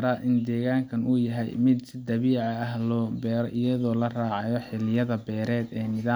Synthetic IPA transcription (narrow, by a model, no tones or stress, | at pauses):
ɾaːʔɪnd̪ɛːɣaːŋkʰɐnujɐɦɛ̰jmɪd̪d̪ɐβiːʕɑɐhlɔːbɛːɾɔʔɪjɐðɔːlɐraːʕɑjɔħɪlɪjɐðɐbɛːɾɛːd̪ɛːnɪðaː